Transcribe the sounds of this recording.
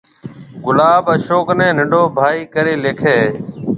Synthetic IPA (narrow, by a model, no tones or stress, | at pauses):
ɡʊlaːbəʃoːknẽːnəɖoːbʱaːiːkəɾeːleːkʰeː